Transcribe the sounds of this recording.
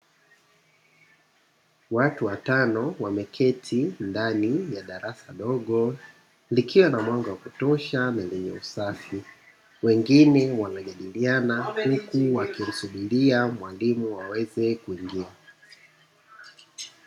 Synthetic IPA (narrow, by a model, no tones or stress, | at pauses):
watuwatanɔwamɛkʰɛtʰindanijaɗaɾasaɗɔɠɔ | likʰiwanamwaŋɡawakutɔʃanalɛɲɛ̰ṵsafi | wɛŋɡinɛwanaʄaɗilianahukuwakim̩suɓiliamwalimuwawɛzɛkuiŋɡia